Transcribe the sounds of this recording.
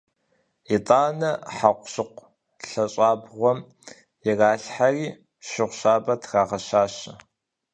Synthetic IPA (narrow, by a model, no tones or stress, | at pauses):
itʼaːnɐħaqʷɕɨqʷ | ɬɐɕʼaːbʁʷɔm | jɪraːɬħariː | ʃɪʁʷɕaːbɐtʰraːʁɐɕaːɕɐ